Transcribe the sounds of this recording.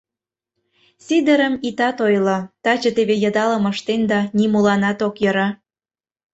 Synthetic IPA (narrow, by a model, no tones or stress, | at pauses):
sʲid̪əɾəmit̪ɑt̪ojlot̪ɑt͡ɕə̆t̪eβejəd̪ɑlə̆mə̆ʃt̪end̪ɑnimulɑnɑt̪okjɤɾɑ